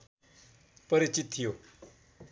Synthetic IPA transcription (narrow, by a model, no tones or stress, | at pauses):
pəɾit͡ʃit̪̚ʰːijo